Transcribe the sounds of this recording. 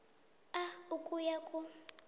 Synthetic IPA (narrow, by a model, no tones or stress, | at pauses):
aukʼujakʼu